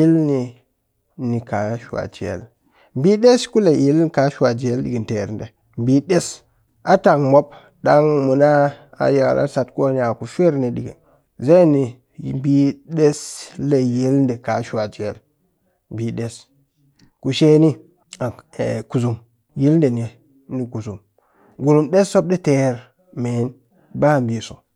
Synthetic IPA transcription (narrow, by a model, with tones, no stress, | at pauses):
ji˦lni˨ | ni˨ka˨˦ʃa̰˨d͡ʒi˨ḛ˨l | bi˦ɗe˦sku˦le˨ji˦lni˦ka˨˦ʃwa˨d͡ʒi˨e˦lɗi˨ɡi˨nte˨ɾndḛ˨ | mbi˦ɗe˦s | a˦ta˨ŋmo˦b̚ | ɗa˦ŋmu˨na˦ | a̰˨je˨a̰˨lʔa̰˦sa˨tko˦ni˦a˨ku˨fʷe˦ɾni˨ɗḭ˨ɡḭ˨n | ze˦ni˨ | bi˦ɗe˦sle˨je˦lnde˨ka˨˦ʃu˦a˨d͡ʒḛ˦˨l | m˨bi˨ɗe˦s | ku˨ʃe˦ni˦ | a˨ku˨zu˨m | ji˦lnde˨n˨e˨ | ni˨ku˨zu˨m | ɡu˨lu˨mɗe˦sːo˦b̚ɗe˦te˨ɾ | me˨˦n | ba˦˨mbi˨so̰˨